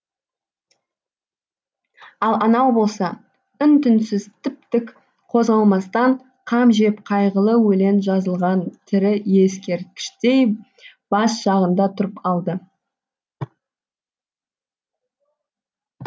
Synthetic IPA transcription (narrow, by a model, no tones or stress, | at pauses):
ɑlˠɑnɑwbo̞lˠsɑ | ʏnt̪ʰʏnsɪzt̪ʰɪp̚t̪ɪk | qʰo̞zʁɑlˠmɑst̪ɑɴ | qʰɑmʒe̞pqʰɑjʁəlˠəwɵle̞nʒɑzəlˠʁɑnt̪ʰɪɾɪje̞skʲe̞ɾt̪̚kʲɪ̥ʃt̪e̞j | b̥ɑsʒ̥ɑʁənd̪ɑt̪ʰʊɾəpɑlˠd̪ə